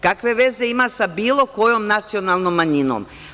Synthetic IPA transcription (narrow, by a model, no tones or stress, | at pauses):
kakʋe̞ʋe̞ze̞imasabiːlo̞ko̞jomnat̪sionalˠnomːaɲino̰m